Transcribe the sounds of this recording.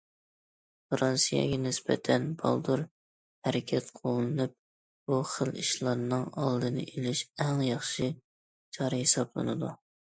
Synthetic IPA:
fɾɑnsijɛ̰ɡʲɛnɪsbɛ̰t̪ʰɛnbɑ̰lˠd̪uɾ | hæɾɪkʲʰɛt̪qʰolˠɨnɨp̚ | b̥uχəliʃlˠɑɾnɨŋɑlˠd̪ɨnɨ̰ʔelɪʃɛŋjɑχʃi | t͡ʃʰɑɾɨhesɑblˠɨ̰nɨd̪u

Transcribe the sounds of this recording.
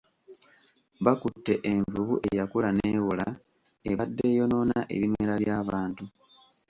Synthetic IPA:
βakutːe̞ʔeɱvuβuʔe̞jakulaneːwula | eβadːe̞ːjo̞no̞ːnaʔe̞̰βimeɾaβjaːβaːntu

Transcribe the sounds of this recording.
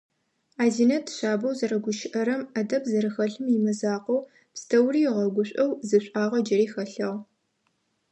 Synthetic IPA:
aːziːnɐtʰɕʷaːbɐwzɐrɐɡʷʊʃɪʔɐɾɐmɐdɐpʰzɐɾɨxɐɬɨmimɐzaːqɐw | pstʰɐwriːʁɐɡʷʊɕʷʼɐwzɨɕʷʼaːʁɐd͡ʒɐɾiːxɐɬɐʁ

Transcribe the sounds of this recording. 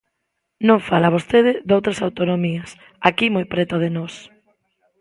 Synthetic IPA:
nõɱfalaβ̞ost̪eðɪðowt̪ɾasawt̪onomiɐs | akimojpɾɛt̪oðenɔs

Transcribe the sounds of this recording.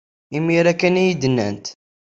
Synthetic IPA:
imːiɾækːænijid̪ənːə̰nt̪

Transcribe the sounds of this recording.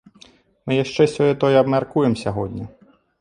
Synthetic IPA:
mɪjɐʃt͡ʃɛsʲɔjɛt̪ɔjɛɐbmʲɐrkujemsʲɐɦɔdʲnʲi

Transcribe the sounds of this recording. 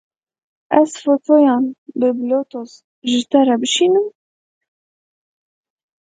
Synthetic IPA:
ʔæzfot̪ʰojɑːnbɨblot̪oz | ʒɨt̪ɛɾɛbɨʃiːnɨm

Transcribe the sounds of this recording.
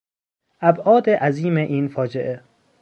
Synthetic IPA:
ʔæbʔɒːd̪eʔæziːmeʔiːnfɒːd͡ʒeʔe

